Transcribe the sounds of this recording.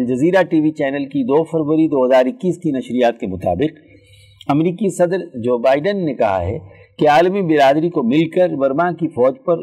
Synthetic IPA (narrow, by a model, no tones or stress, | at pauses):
d͡ʒɐziːɾaʈiːʋit͡ʃɛːnəlkid̪oːfɐɾʋəɾid̪oːɦɐzaːɾɪkːiːskinɐʃɾijaːt̪kemʊt̪a̰ːbɪq | ɐmɾiːkisɐd̪ɾd͡ʒoːbaːɪɖənːekɐɦa̰ɦɛ̰ | keaːlmibɪɾaːd̪ɾikomɪlkəɾbɐɾmãkifɔːd͡ʒpɐɾ